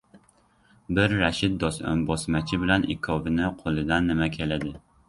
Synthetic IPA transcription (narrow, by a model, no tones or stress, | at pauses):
bɪɾːɛʃɪt̪̚d̪ɒsæ̰mbɒsmɛt͡ʃʰɪbɪlɛnʔɪ̰kʰɑvɪnɪqʰolˠɨd̪ɛnːɪmɛkʲʰelɪd̪ɪ